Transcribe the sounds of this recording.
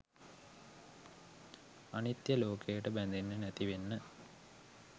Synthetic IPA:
anit̪jəloːkʰejəʈəbænd̪enːənæt̪iʋenːə

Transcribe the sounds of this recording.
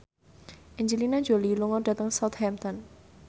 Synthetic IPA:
ʔiɲd͡ʒilinḁd͡ʒoliluŋɔɖa̤t̪əŋsawt̪̚hɛmt̪ɔn

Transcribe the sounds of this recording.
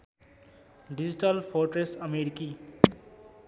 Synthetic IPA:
ɖid͡ʑiʈəlpʰoɾʈɾesʌmeɾiki

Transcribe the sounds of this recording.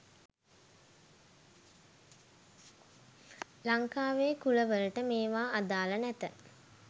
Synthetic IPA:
laŋkaːʋeːkuləʋələʈəmeːʋaːad̪aːlənɛt̪ə

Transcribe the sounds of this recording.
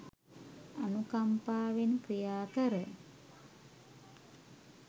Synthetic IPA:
anukampaːʋenkɾijaːkəɾə

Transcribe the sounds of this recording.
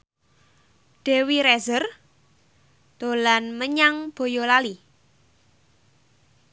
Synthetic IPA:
ɖ̥e̤wiɾɛzər | d̪̥o̤lanməɲaŋb̥o̤jolali

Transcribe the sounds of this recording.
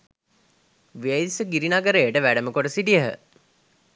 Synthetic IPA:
ʋeisəɡiɾinaɡəɾeːʈəʋæɖəməkoʈəsiʈiəɦə̰

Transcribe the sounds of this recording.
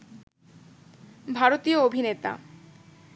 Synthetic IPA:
bʱaɾot̪ioobʱinet̪a̰

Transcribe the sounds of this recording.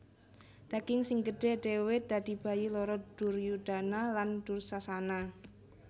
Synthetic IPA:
d̪̥a̤ɡ̥ɪŋsɪŋɡəɖ̥ɛ̤ɖ̪̥e̤wɪd̪̥a̤d̪̥i̤b̥a̤jilɔɾɔd̥ʊrjud̥a̤naland̪̥ʊrsasana

